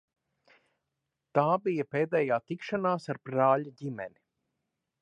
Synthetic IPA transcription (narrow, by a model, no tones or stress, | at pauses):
t̪aːbijɐpeːd̪ɛːjaːt̪ikʃanaːsaɾbɾaːʎaɟimɛ̰ni